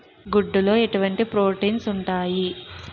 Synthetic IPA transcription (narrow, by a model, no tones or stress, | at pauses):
ɡuɖːulo̞ːeʈuʋɐɳʈipɾo̞ːʈiːnsuɳʈaːji